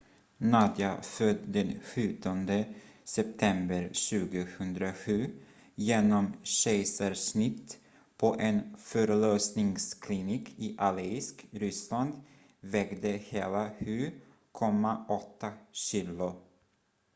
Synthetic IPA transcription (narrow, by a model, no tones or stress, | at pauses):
nad̪jafœd̪d̪ɛnɧʉ̟ːt̪ʰɔnd̪əsɛp̚t̪ʰɛmbəɾɕʉ̟ːɡəhɵnd̪ɾaɧʉ̟ː | jeːnɔmɕɛɪsaɾʂnɪt̪ː | pʰɔʔɛnfœɾløːsnɪŋskʰlɪniːkʰɪʔalɛɪskɾʏsland̪ | vɛɡd̪əheːlaɧʉ̟ː | kʰɔmːaʔɔt̪ʰːaɕiːlʊ